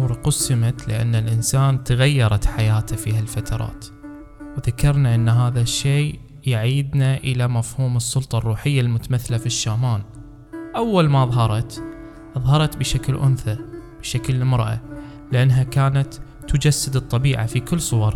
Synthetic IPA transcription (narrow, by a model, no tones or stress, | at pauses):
ɾqʊsːɪmat̪lɪ̰ʔa̰nːalʔɪnsaːnt̪aɣajːɑɾˤɑt̪ħajaːt̪afiːhalfat̪ʰɑɾˤɑ̰ːt̪ | wðakɑɾˤnaʔɪnːɦaːðaʃːeː | jaʕiːd̪naʔɪlamafhuːmɨsˤːʊlt̪ˤɑrˤːuːħɪjːalmʊt̪amaθːlafiʃːaːmaːn | ʔawːalmaðˤɦɑɾˤɑt̪ | ʔɑðˤhɑɾˤɑt̪bɪʃaklʔʊ̰nθab̥ɪʃaklɪmɾʔa̰ | lɪʔanːɦakaːnat̪ː | ʊd͡ʒasːɪd̪ɨt̪ˤːɑbiːʕa̰fikɪlːsˤʊwɑɾˤ